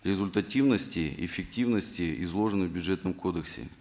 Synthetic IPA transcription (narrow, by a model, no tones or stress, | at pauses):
ɾʲɪzʲʊlʲt̪ɐtʲivnəsʲtʲɪɪ̰fʲɪk̚tʲivnəsʲtʲɪɪzlˠo̞ʐɨnɨvbʲʊdʐɛt̪nəmkʰo̞d̪əksʲɪ̰